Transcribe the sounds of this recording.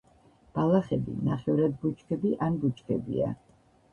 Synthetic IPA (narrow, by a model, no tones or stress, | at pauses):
b̥alaχɛbḭnaχɛvɾad̪but͡ʃkʰɛbiʔanbut͡ʃʰʼkʰɛbḭa̰